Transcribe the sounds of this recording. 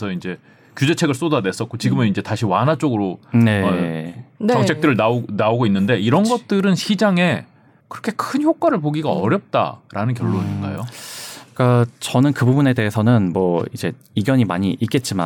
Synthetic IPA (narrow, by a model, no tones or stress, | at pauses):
sʰʌind͡ʑe̞ | kjud͡ʑe̞t͡ɕʰe̞ɡɯɭs͈odade̞s͈ʌt̚k͈ot͡ɕiɡɯmɯnind͡ʑe̞taɕʰiwanɦat͡ɕ͈oɡɯɾone̞ | nʌŋt͡ɕʰe̞k̚t͈ɯɾɯɭnaonaoɡoinːɯnde̞iɾʌnɡʌt̚t͈ɯɾɯnɕʰid͡ʑaŋe̞ | kɯɾʌkʰe̞kʰɯnçjok̚k͈waɾɯɭpoɡiɡaʌɾjʌp̚t͈a̰ɾanɯnk̬jʌɭːoɲinɡa̰jo̰ | k͈at͡ɕʌnɯnkɯbubune̞de̞ɦesʰʌnɯnmwʌid͡ʑe̞ | iɡjʌɲimaɲiʔit̚k͈e̞t̚t͡ɕ͈ima̰